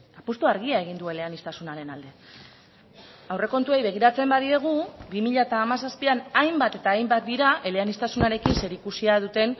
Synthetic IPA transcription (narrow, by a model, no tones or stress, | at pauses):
apost̪uaɾɣiae̞ɣ̞ind̪ue̞leanist̪asunaɾe̞nald̪e̞ | awre̞ko̞nt̪ue̞jβe̞ɣ̞iɾat͡se̞mbaðie̞ɣ̞ubimiʎaet̪aːmasaspianajmbat̪e̞t̪aːjmbat̪̚d̪iɾaʔe̞le̞anist̪asunaɾe̞kinse̞ɾikusiað̞ut̪e̞n